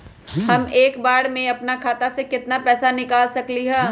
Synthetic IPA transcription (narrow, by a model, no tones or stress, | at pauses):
hɐmeːkbaːɽmẽɐpnakʰaːt̪asekɪt̪napɛːsanɪkaːlsɐkliɦɛː